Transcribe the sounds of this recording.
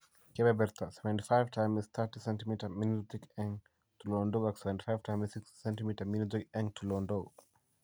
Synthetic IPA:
kɛbɛbɛɾt̪ʰəsɛvɛ̃ntifaɪvtʰãɪ̃mist̪ʰətisɛ̃ntimitəminutikɛ̃ŋ | tulɔ̃ndoaksɛvɛ̃nti̥faɪv̥tʰãɪ̃missikssɛ̃ntimitəminɔtikɛ̃ŋtʰulɔ̃ndo

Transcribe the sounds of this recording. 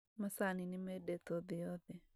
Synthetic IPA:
masaninɪmɛdɛt̪ɔðɪɔðɛ

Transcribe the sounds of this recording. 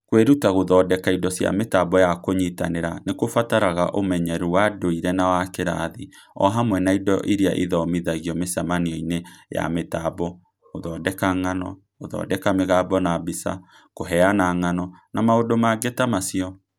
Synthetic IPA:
kweɾutaɣoðɔːdɛkaidɔsja̰metabɔjakoɲita̰neɾanekofataɾaɣaʔomɛɲɛɾuwadoiɾɛnawakeɾa̰ði | ɔ̰ɦamwɛnaidɔʔiɾia̰ʔiðɔmiðaɣiɔmesamaniɔineja̰metabɔ | ɣoðɔdɛkaŋanɔ | oðɔ̰ːdɛkameɣaːbɔnabisa̰ | koɦɛanaŋanɔnamaodomaɡetamasiɔ

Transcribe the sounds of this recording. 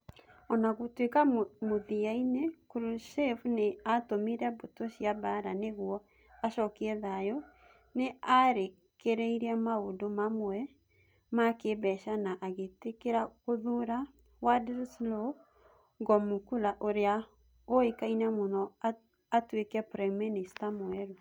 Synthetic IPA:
ɔnaɣotwekamoðiainekuɾuʃefneatomiɾɛbotoɕiabaɾaneɣwɔ | aʃɔkiɛðajɔ | neaɾe | keɾɛiɾɛmaodomamoɛ | makebɛʃanaʔaɣetekeɾaoðuɾa | wadɛɾslɔ | ɡɔmukulaʔoɾea | oekainɛmonɔa | atwekɛpɾɛministamoɛɾu

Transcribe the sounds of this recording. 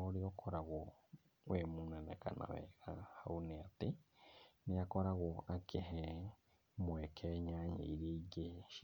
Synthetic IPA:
oɾiokʰoɾaɣo | wemuːnanḛka̰na̰wɛ̰ɣahauneate | nijakoɾaɣoakeɦɛ | mwekʰeɲaɲḛiɾeɡeʃi

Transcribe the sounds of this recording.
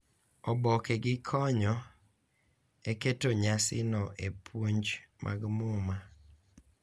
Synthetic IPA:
ɔbɔkɛɡɪkʰɔɲɔ | eketoɲasɪ̰nɔʔepʰwoɲd͡ʒmʔa̰ɡmʊma

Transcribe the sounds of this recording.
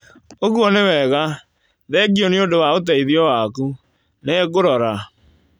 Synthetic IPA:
oɣuɔnewɛɣa | ðɛɡiɔneodowaot̬aiðiɔwaːku | nɛɡoɾɔɾa

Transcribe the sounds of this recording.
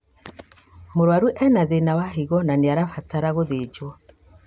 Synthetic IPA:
moɾwaɾuʔɛnaðenawaɦiɣɔnaneaɾafataɾaɣoðed͡ʒwɔ

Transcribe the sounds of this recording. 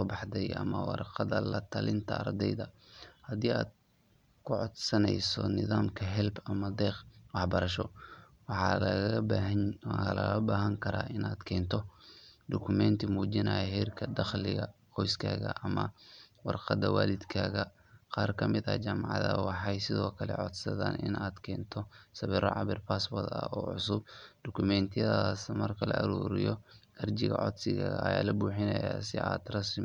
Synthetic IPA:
sɔːbɑħd̪ɛjʔɐ̰mɐwɑ̰rqɑd̪ɐlɐt̪ʰɐlɪnt̪ʰɐːrd̪ɛjðɐhɐd̪iːaːd̪̚ | kʰʊʕɔd̪sɐnɛjsɔ̰nɪðaːmkʰɐɦɛlbɐmɐd̪ɛːqwɑħbɐɾɐʃɔwɑħɑlɐɐbaːɦɐnlɐɣɐbaːɦɐŋkʰɐɾa̰ːʔɪnaːd̪kʰɛːnt̪ʰɔd̪ʊkʰʊmɛnt̪ʰimuːd͡ʒɪnajɐhɛːrkʰɐd̪ɑχlɪɣɐqɔjskʰaːɣɐ̰ʔɐmɐwɑrqɑd̪ɐwaːlɪd̪kʰaːɣɐ | qɑːrkʰɐmɪd̪ɐ̰d͡ʒam̰ʕðɐwɑħɑjsɪðɔːkʰɐlɛ̰ʕɔd̪sɐðaːnɪ̰nʔaːd̪kʰɛːnt̪ʰɔsɐβɪɾɔʕɑβɪrpʰaːsbɔrt̪ɐ̰ɔːʕʊsʊb̚d̪̥ʊkʰʊmɛnt̪ʰɪjɐðasmɐrkʰɐlɐ̰ʔɐɾuːɾɪjɔɐrd͡ʒɪɣɐ̰ʕɔ̰d̪sɪɣaɣɐɐja̰ːlɐbuːħɪnɐjaːsɪaːd̪rɐsɪ

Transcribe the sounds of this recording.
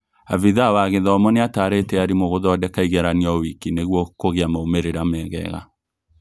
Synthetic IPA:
aviðawaɣeðɔmɔneataɾetɛaɾimoɣoðɔdɛkaiɣɛɾaniɔwikineɣwɔkoɣeamaomeɾeɾamɛɣɛ̰ɣa̰

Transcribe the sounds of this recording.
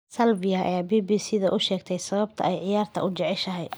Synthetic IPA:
sɐlbɪjɐʔɐ̰jaːbiːbiːsiːðɐʔʊʃɛːɡt̪ʰɛjsɐβɐb̚t̪ʰɐ̰ʔɛjʕɪjaːrt̪ʰɐ̰ʊd͡ʒɛʕɪʃɐɦɛj

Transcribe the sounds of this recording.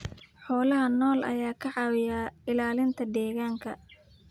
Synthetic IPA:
ħɔːlɐɦɐnɔːlʔɐ̰jaːkʰɐʕɑːwɪjaːɪlaːlɪnt̪ʰɐd̪ɛːɣaːŋkʰɐ

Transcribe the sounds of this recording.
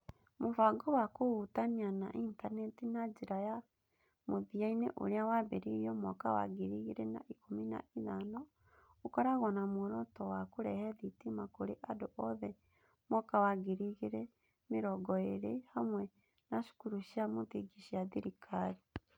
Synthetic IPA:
muvaɡɔwakoɣutaniana̰ʔintanɛtinaɟiɾaja | muðiainɛ̰ʔṵɾjawaβeɾijɔmwɔka̰wa̰ɡiɾiɣiɾɛna̰ʔikomina̰ʔiðanɔ | ukɔɾaɣɔnamoɾɔtɔwakuɾɛhɛðitimakoɾḛʔadɔʔɔðɛ | mɔkawaɡiɾiɣiɾɛ | miɾɔɡɔeɾehamwɛ | naʃu̥kuɾuʃamutiɡiʃiaðiɾikʰaɾi

